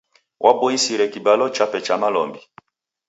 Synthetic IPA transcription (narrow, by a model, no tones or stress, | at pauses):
wʔabɔisiɾɛkibalɔt͡ʃapɛt͡ʃamalɔmbi